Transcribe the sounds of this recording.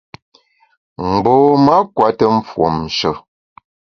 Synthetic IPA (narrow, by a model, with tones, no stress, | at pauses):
m̩˨boː˨ma˦kwa˦tə˦ɱ̩˦fwo̰˨m˨ʃə˨